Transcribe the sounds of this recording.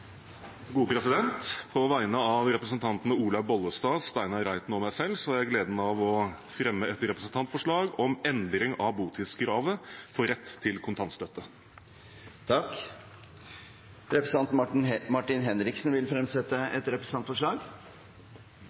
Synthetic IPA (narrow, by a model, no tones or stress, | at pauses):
ɡuːpʰɾɛsɪd̪ɛnt̪pʰɔʋæɪnəɑʋɾɛpɾəsənt̪ʰɑnt̪nəuːlɑbɔlːəst̪ɑːst̪æɪnɑɾæɪt̪nəɔmæɪsɛlːsɔæɾjæɪɡleːd̪n̩ɑʋɔ | fɾɛmːəɛt̪ɾɛpɾəsən̩t̪ʰɑnt̪fɔʂɭɑːɡɔmɛnd̪ɾɪŋɑʋbuːt̪ʰɪːsɡɾɑːʋəfɔɾɛt̪ʰːɪlkʰʊnt̪ʰɑnst̪œt̪ːə | t̪ʰɑkː | ɾɛpɾəs̩ɑnt̪nmɑʈɪnɦɛnɾɪksnʋɪlfɾɛmsɛt̪ːəɛt̪ɾɛpɾəsn̩ɑnt̪fɔʂɭɑːɡ